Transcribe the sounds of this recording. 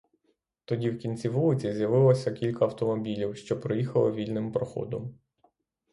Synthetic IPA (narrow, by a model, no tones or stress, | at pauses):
t̪ɔdʲiwkʲinʲt͡sʲiʋulˠɪt͡sʲizʲjɐʋɪlˠɔsʲɐkʲilʲkɐɐwt̪ɔmɔbʲilʲiwʃt͡ʃɔpɾɔjixɐlˠɪʋʲilʲnɪmpɾɔxɔ̰d̪ɔm